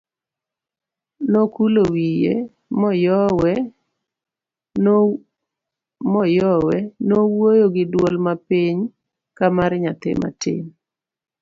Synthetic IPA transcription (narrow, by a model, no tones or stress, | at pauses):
nokulowijḛ | mɔjɔwɛ | mɔjɔwɛnowojoɡɪdwɔlmapiɲ | kamaɾɲat̪ɪ̰ma̰tɪ̰m